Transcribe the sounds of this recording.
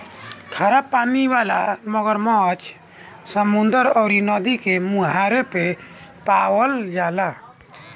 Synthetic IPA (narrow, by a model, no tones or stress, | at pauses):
kʰaɾapːaniʋala̰məɡəɾmɔt͡ʃ | səmund̪əɾɔʊɾinɔd̪ikemũɦaɾepepawəld͡ʒala